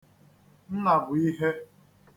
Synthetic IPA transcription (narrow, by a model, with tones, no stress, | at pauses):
n̩˦na˨bʊ˨i˦ɦe˦